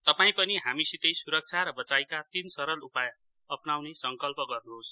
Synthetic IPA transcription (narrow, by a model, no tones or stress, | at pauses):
t̪ʌpaĩpʌniɦamisit̪ʌjsuɾʌk̚t͡sʰaɾʌbʌt͡sajkat̪insʌɾʌlupaj | ʌpnawnesʌŋkʌlpʌɡʌrnus